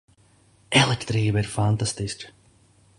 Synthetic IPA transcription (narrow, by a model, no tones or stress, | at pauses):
ɛlˠɛkt̪ɾiːvəiɾfant̪ast̪iskə̥